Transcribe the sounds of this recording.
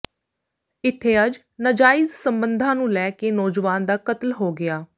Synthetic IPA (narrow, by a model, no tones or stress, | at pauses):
ɪt̪ʰːeːəd͡ʒ | nəd͡ʒaːɪzsəmbənd̪ʱãːnũːlɛːkeːnɔːd͡ʒʋaːnd̪aːkət̪əlɦoːɡɪaː